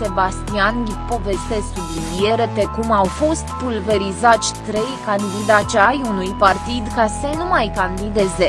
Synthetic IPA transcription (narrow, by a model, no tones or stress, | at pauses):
se̞bast̪ianlipo̞ve̞st̪esubinieɾet̪ekumawfo̞st̪pulve̞ɾizat̪sʲt̪ɾe̞jkand̪id̪at͡ʃajunujpart̪id̪kasənumajkand̪id̪eze